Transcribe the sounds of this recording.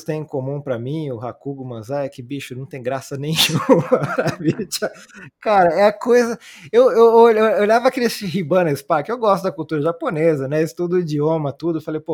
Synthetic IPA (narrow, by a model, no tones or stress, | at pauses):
t̪ẽj̃komũpɾɐmĩʊɦakuɡʊmɐ̃zaɛkɪbiʃʊnɐ̃w̃t̪ẽj̃ɡɾasɐnẽj̃uũmɐɐvit͡ʃɐkaɾɐɛɐkojzɐewewoooʎavɐkelɪsɦibɐ̃nɐspakɪewɡɔst̪ʊd̪ɐkuwt̪uɾɐʒaponezɐnɛest̪ud̪ʊid͡ʒiõmɐt̪ud̪ʊefalejpo